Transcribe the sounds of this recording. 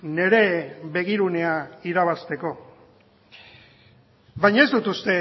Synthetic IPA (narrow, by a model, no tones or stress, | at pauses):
ne̞ɾe̞βe̞ɣ̞iɾune̞aiɾaβ̞ast̪e̞ko̞ | βajɲae̞zd̪ut̪ust̪e̞